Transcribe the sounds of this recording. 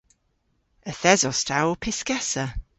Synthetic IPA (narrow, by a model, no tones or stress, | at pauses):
əθɛzɔstʰawpʰɪskɛsə